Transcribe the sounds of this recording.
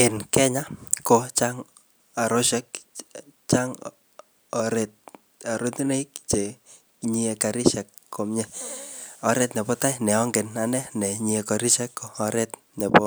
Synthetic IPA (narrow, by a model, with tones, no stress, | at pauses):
ɪ˨nkɛ˦ɲa˦ko˨t͡ʃaŋ | a˨ɾo˦ʃɛk̚ | t͡ʃa˦ŋ | ɔɾet̪̚ | a˨ɾo˦tne˦i˦k̚t͡ʃe˨ | ɲiɛ˨ka˨ɾi˦ʃɛkːo˨mɲɛ˦ | ɔ˨ɾɛ˦t̪nɛ˨pɔ˦ta˦jnɛ˨ɔ˦ŋɡɪ˨na˨nɛ˦nɛ˨ɲiɛ˧kɔ˨ɾi˦ʃɛ˦kːo˨ɔ˨ɾɛ˦t̪ | nɛ˨pɔ